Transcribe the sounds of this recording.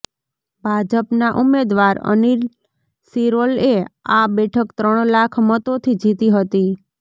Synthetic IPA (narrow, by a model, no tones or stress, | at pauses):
bʱad͡ʒəpnaʔumːed̪ʋaɾə̰niɾ | siɾoleabɛʈʰəkt̪ɾəɳ̃lakʰmət̪ot̪ʰid͡ʒit̪iɦət̪i